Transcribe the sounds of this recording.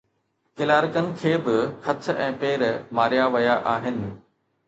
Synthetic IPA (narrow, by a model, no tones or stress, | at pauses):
kɪlaːɾɪkənɪ̆kʰeːbɪxɐt̪ʰɛ̰̃ːpeːɾmaːɾijaʋɐjaʔaːɦɪnɪ̆